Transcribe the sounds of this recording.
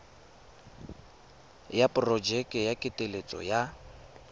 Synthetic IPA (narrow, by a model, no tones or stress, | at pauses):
japʼʊrɔd͡ʒɛkʼɛjakʼɪtʼelet͡sʼɔ̰ja